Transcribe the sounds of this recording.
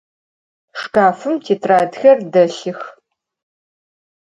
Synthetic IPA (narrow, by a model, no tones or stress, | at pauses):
ʂkaːfɨmtʰeːtʰraːdxɐrdɐɬɨx